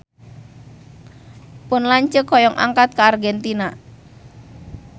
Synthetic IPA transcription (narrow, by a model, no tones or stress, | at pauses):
pʊnlaɲt͡ʃəkːɔjɔŋʔa̰ŋkat̪̚kaːrɡɛnt̪ina